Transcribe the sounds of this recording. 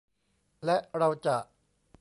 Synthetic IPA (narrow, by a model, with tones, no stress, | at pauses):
lɛ˦˥ʔɾa˧wt͡ɕa˨˩ʔ